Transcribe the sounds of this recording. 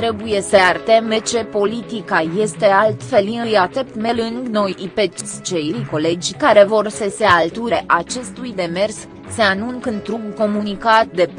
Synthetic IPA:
t̪ɾe̞buje̞səart̪e̞met͡ʃe̞po̞lit̪ikaje̞st̪e̞alt̪fe̞liɨjat̪e̞p̚t̪me̞lɨŋɡno̞jipet͡ʃʲt͡ʃejjko̞le̞d͡ʒʲkaɾe̞vo̞rsəsealt̪uɾe̞ʔat͡ʃe̞st̪ujd̪e̞me̞rs | se̞anuŋkɨnt̪ɾuɡko̞munikat̪̚d̪e̞p

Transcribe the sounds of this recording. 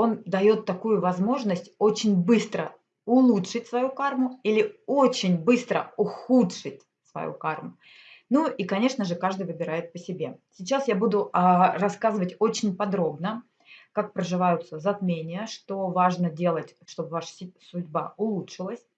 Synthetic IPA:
o̞nd̪ɐjo̞t̪ːɐkujʊvɐzmo̞ʐnəsʲtʲo̞t͡ɕɪnʲbɨst̪ɾə̰ | ʊlˠutʂɨtʲsvɐjukarmʊilʲɪo̞t͡ɕɪnʲbɨst̪ɾə̰ʊxutʂɨtʲ | svɐ̰jṵka̰rmʊ | nuʔikɐnʲe̞ʂnəʐɨkaʐd̪ɨjvɨbʲɪɾajɪt̪̚pəsʲɪbʲe̞sʲɪt͡ɕasjabud̪ʊrɐskazɨvətʲo̞t͡ɕɪnʲpɐd̪ɾo̞bnə | kak̚pɾəʐɨvajʊt̪səzɐt̪mʲenʲɪjəʂt̪o̞vaʐnədʲe̞lˠətʲʂt̪o̞bvaʂə̥sʊdʲbaʊlˠutʂɨlˠəsʲ

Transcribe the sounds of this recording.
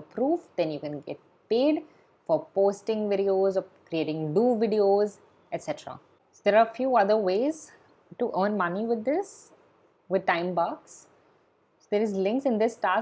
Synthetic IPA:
pɾuːfd̪ɛ̃njukɛ̃nɡɛ̰ʈ̚ | peːɖ | fɔɾpoːsʈɪ̃ŋʋɪɖioːzɔkɾieːʈɪ̃ŋɖuːʋɪɖioːz | ɛʈsɛʈəɾa̰ | sod̪eːɾaːfjuːʌd̪əɾʋeːz | ʈuʔə̃ːnmʌniʋɪd̪ːɪs | ʋɪd̪̚ʈãɪ̃mbaks | sod̪eːɾɪzlɪ̃ŋksɪ̃nd̪ɪsʈaː

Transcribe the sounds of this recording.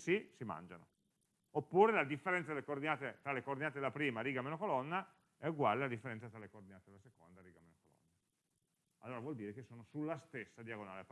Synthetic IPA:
sisima̰nd͡ʒa̰no̰ | opːuːɾelad̪ifːeɾɛnt̪sad̪elekoːrd̪inaːt̪et̪ɾalekoːrd̪inaːt̪eelapɾiːmaɾiːɡameːnokolɔnːa | ɛuɡwaːlelad̪ifːeɾɛnt̪sat̪ɾalekoːrd̪inaːt̪ed̪elasekond̪aɾiːɡameːnokolɔ̰nːa | alːoːɾavwɔld̪iːɾekesːoːnosulːast̪esːad̪jaɡonaːlep

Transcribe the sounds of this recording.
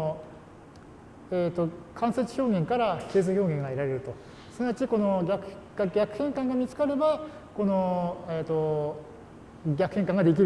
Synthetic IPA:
et̪ːo̞kʰãset͡si̥ço̞ːɡẽ̞ŋkaɾake̞ːzɨço̞ːɡẽŋɡaeɾaɾe̞ɾɯ̟t̪o̞ | sɨnaat͡ɕiko̞no̞ɡʲakɡaɡʲakɯ̟̥hẽ̞ŋkãŋɡamʲit͡sɨ̥kaɾe̞ba | ko̞noeːt̪ːo | ɡʲakɯ̟hẽŋkãŋɡad̪e̞k̬ʲiɾ

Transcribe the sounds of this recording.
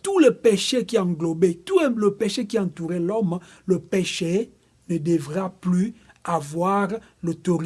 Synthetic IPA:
t̪uləpeʃekiɑ̃ŋɡlɔbet̪uləpeʃekiɑ̃nt̪uʁɛlɔm | ləpeʃe | nəd̪əvʁaply | avwaʁ | lot̪oʁ

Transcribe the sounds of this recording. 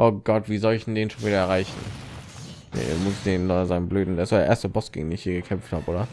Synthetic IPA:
ʔoːɡ̥ɔtv̥iːzɔlɪçd̥ndeːnʃoːnviːɾɐɛɐʁaɪçn̩ | nḛmʊsɪçdeːnnːzaɪnəmbløːdn̩deɛːsojeɐʔeːɐstəbɔsɡ̥ɪ̰ɡŋ̩deːnɪçhiːɐɡəkʰɛmfthaːbəʔoːdɐ

